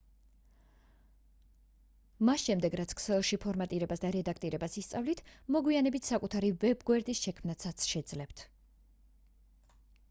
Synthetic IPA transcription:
masʃɛmd̪ɛɡɾat̪sʰkʰsɛlˠʃipʰɔɾmat̪ʼiɾɛbasd̪aɾɛd̪akʰt̪ʼiɾɛbasist̪sʼavlit̪ʰmɔɡwianɛbit̪ʰsakʼut̪ʰaɾivɛbɡwɛɾd̪isʃɛkʰmnat̪sʰat̪sʰʃɛd̪zlɛpt̪ʰ

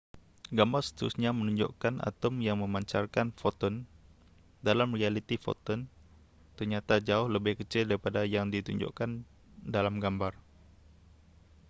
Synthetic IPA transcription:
ɡambarsə̥t̪əɾusɲamənuɲd͡ʒo̰ʔkana̰t̪əmjaŋməmaɲt͡ʃarkanfot̪ɔn | dalamrialit̪ifo̰t̪ɔn | t̪ərɲat̪ad͡ʒaʊhləbɪhkət͡ʃɪldaɾipadajaŋdit̪ṵɲd͡ʒɔ̰ʔkan | dalamɡambar

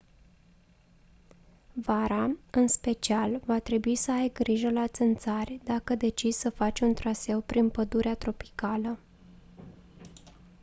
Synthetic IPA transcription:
vaɾaɨnspe̞t͡ʃialvat̪ɾe̞buisəajɡɾiʒəlat̪sɨnt̪sarʲd̪akəd̪e̞t͡ʃissəfat͡ʃunt̪ɾase̞wpɾinpəd̪uɾeat̪ɾo̞pi̥kalə

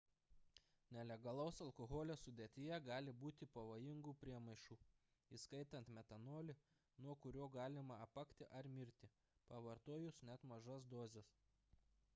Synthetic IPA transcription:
nʲɛlʲɛɡɐlˠɐʊsɐlˠkoɣoːlʲɛsʊd̪ʲeːt̪ʲɪjɛɡɑːlʲɪbuːt̪ʲɪpɐʋoːjɪŋɡuːpʲɾʲiɛmɐɪʃuː | iskɐɪt̪ɐnt̪mʲɛt̪ɐnoːlʲɪ | nuɔkʊɾʲoːɡɑːlʲɪmɐɐpɐkt̪ʲɪʔɐɾmʲɪɾʲt̪ʲɪ | pɐʋɐɾt̪oɔjʊsnʲɛt̪mɐʒɐsd̪oːzʲɛs

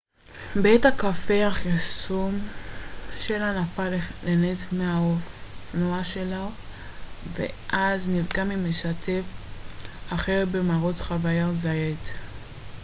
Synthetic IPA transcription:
betakafe̞haχisum | ʃe̞lanafalelenet͡smeaofnoaʃe̞la | vḛʔaznivɡamimeʃatʰe̞f | aχeʁbemaʁo̞tχavajazaet

